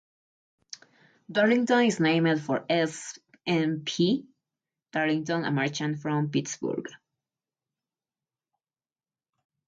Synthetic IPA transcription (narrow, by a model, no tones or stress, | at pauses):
d̪ɔɹĩŋt̪ɔ̃niznẽɪmd̪fɔɹɛs | ɛ̃npʰi | d̪̥ɔɹĩŋt̪ɔ̃nə̰maɹt͡ʃə̃ntfɹɔ̃mpitsbṵɹɡ